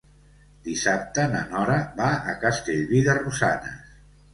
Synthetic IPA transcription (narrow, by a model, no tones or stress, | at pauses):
d̪isap̚t̪ənənɔɾəβaəkəst̪eʎβiðərusa̰nə̰